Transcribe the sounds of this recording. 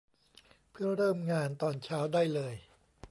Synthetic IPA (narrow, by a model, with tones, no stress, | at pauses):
pʰɯ˥˩ɐɾɤː˥˩mŋaː˧nt̪ɔː˧nt͡ɕʰaː˦˥wdaː˥˩jlɤː˧j